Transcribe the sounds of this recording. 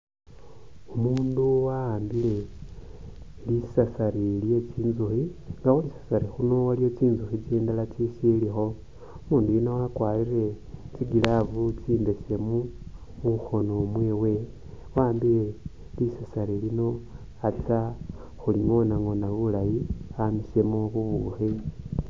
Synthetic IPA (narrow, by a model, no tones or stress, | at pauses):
umuːnduwaːmbile̞ | lisasaɾilje̞t͡ʃiːnzuxiŋɡaxonisḁsaɾixunowalijo̞t͡ʃiːnzuxit͡siːndalat͡sisilixo̞ | umuːndujinowakwalire̞ | t͡siɡilavut͡siːndese̞mu | muxo̞nomweːwe̞ | waːmbie | lisasaɾilino̞ | at͡sa | xuliŋo̞naŋo̞naβulajiamise̞muβuβuxi